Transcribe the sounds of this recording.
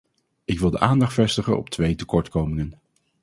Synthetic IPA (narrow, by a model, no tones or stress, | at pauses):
ɪkʋɪlˠdəʔaːndɑχtfɛstəχə̰nɔ̰p̚tʋejtəkɔɹtkowmɪŋən